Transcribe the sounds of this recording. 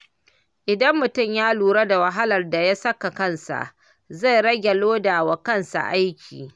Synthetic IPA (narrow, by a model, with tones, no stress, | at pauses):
ʔɪ˨dɐ˦mːʊ˨tʊ˦˨mjaː˦luː˨ɾa˦da˨wa˨ɦa˦lɐ˨rda˨jaː˦sɐ˦ka˨kɐ˦˨nsa̰˨ʔ | za˦˨jɾɐ˦ɡʲɐ˨loː˦da˨wa˨kɐ˦˨nsa̰˨ʔa˦jkʲʰḭː˨